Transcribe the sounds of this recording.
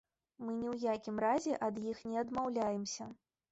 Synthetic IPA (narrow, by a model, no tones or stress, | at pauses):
mɨnʲɛwjakʲimrazʲɛʔɐd̪jixnʲɛɐd̪mawlʲajɛmsʲɐ